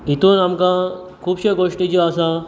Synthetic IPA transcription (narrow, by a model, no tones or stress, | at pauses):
it̪unamkã | kʰuːbɕeɡoʂʈid͡ʑiasa